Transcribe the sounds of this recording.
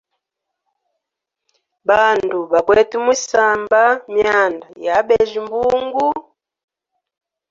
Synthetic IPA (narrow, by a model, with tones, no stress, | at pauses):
ba˨ndu˨βa˨kwɛ˦˨tu˦mi˦sa˨mba˦mja˨nda˨ja˨˦bɛ˨ʒi˨mbu˦ŋɡu˦